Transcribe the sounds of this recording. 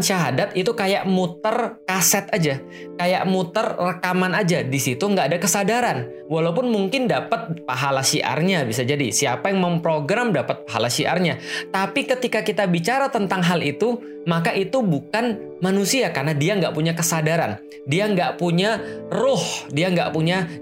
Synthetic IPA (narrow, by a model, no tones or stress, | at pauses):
nʃaɦadat̪it̪ukaja̰ʔmut̪ərkasɛt̪ad͡ʒa | kaja̰ʔmut̪ərːəkamanad͡ʒadisit̪uəŋɡaʔːdakəsadaɾan | walaupʊnmuŋkɪndapət̪̚paɦalasiʔa̰rɲabisad͡ʒadisiapajaŋməmpɾoɡɾamdapət̪̚paɦalasiʔa̰rɲat̪apikət̪ikakit̪abit͡ʃaɾat̪ənt̪aŋɦalit̪u | makaʔit̪ubukan | manusiakarnadiaŋɡaʔpuɲakəsadaɾan | diaŋɡaʔpuɲarʊhdiaŋɡa̰ʔpuɲa